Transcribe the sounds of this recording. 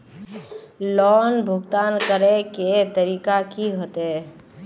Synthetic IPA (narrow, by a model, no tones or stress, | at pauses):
lɔːnbʱʊɡt̪aːnkəɾeket̪əɾiːkakiɦot̪ɛ